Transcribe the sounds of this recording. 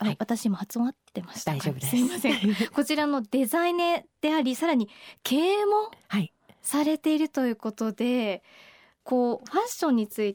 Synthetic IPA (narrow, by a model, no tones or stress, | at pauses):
aβat̪aɕimo̞hat͡sɨmat̪ːe̞maɕi̥aob̪simasẽko̞t͡ɕiɾano̞d̪e̞zained̪̥e̞aɾʲisaɾaɲ̟ikʰe̞ːmo̞hai | saɾe̞t̪e̞iɾɯ̟t̪o̞jɯ̟ːko̞t̪o̞d̪e̞ | ko̞ːɸãɕõ̞ɲ̟ːit͡sɨi